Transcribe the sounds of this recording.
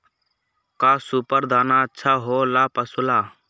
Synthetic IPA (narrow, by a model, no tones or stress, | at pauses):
kaːsupəɾd̪ʱaːnaːətːʃʰaːɦoːlaːpəsʊlaː